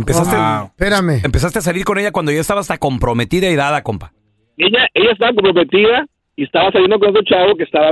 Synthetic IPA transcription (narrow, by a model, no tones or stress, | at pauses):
empeast̪epeɾameempe̞s̬ast̪e̞as̬aliɾko̞ne̞ʝakwand̪oʝoest̪aβaːst̪ako̞mpɾo̞met̪iðaiðaðakompḁ | eʝaʔe̞ʝaest̪aβakompɾomet̪iða | iest̪aβasaljend̪okones̬et͡ʃaβok̬est̪aβa